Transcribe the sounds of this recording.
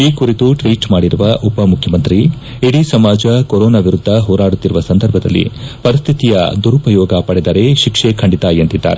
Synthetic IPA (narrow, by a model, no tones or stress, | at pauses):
iːkuɾit̪uʈʋiːʈmaːɽiɾuʋɐʔupɐmukʰjɐmɐnt̪ɾi | iɽisɐmaːd͡ʒɐkoɾoːnaːʋiɾud̪ʱːɐɦɔːɾaːɽut̪ːiɾuʋɐsɐnd̪ʱɐɾbʱɐd̪ɐ̰lːḭpɐɾist̪ʰit̪ijɐ̰d̪uɾupɐjɔːɡɐpɐɽɛd̪ɐɾe̞ʃikʂekʰɐɳɖit̪ajent̪id̪ːa̰ːɾe